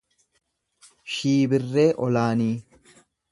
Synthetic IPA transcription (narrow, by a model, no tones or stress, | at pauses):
ʃiːbɪrːe̞ːʔɔlaːniː